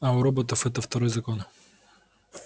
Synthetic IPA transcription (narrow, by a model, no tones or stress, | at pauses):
ɐʊɾobot̪ɐfɛt̪ɐft̪ɐɾɔjzɐkon